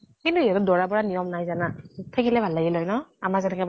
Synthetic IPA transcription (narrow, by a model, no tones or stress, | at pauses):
kintuijatʊdɔɹapɔɹanijɔmnajzanatʰakilɛbʱalːaɡilɔjnɔamazɛtɛkɛ